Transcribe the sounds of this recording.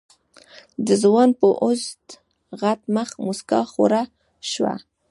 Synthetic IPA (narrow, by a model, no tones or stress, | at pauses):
d̪əzwɑnpəʔʊzt̪ | ɣat̪məxmuskɑxo̰ɾa | ʃwa̰